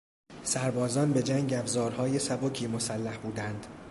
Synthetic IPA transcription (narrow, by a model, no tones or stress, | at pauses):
sæɾbɒːzɒːnbe̞d͡ʒæŋɡæbzɒːɾhɒːjesæbocʰiːmo̞sælːæhbuːd̪ænd̪̥